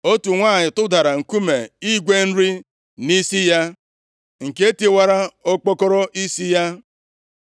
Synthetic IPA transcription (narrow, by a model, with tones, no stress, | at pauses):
o˦tu˨ŋʷaː˦˨ɲɪ˨tʊ˦da˨ɾa˨ŋ̩˨ku˦me˨i˦ɡʷe˦n̩˦ɾi˦ | ni˦si˦ja˦ | ŋ̩˨ke˦ti˦wa˦ɾa˦o˦k͡pɔ˦kɔ˦ɾɔ˦ʔi˦si˦ja˦